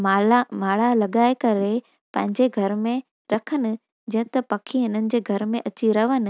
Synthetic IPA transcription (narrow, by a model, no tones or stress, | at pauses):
maamaːɭ̤alɐɠaːekɐɾe | pɐ̃ɦɪ̃ɲd͡ʑeɡʱɐɾmẽ | ɾɐkʰənɪ̆ | d͡ʑɐ̃ɦɪ̃t̪ɐpɐkʰiɦɪnənɪ̆d͡ʑeːɡʱɐɾmẽʔɐt͡ɕiɾɐʋənɪ̆